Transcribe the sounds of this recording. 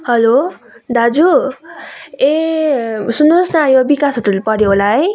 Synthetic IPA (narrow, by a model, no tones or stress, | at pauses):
hʌlo | d̪ad͡zu | e | sunosnajobikasɦoʈulepʌɽjoɦolaɦʌj